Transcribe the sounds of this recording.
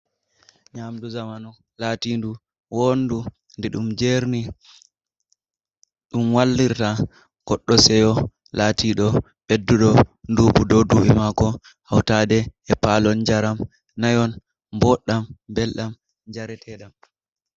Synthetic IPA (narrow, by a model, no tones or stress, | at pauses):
ɲamduzamanɔ | laːtindu | wondu | ndɛɗumd͡ʒeɾni | ɗumwalːiɾta | ɡ̥ɔɗːɔsɛjɔ | latʰiɗɔ | ɓedːuɗɔnduːɓudowduʔɛmakɔ | hawtaːdɛːpalɔnd͡ʒaɾam | najɔn | bɔɗambɛlɗam | d͡ʒaɾɛtʰɛɗam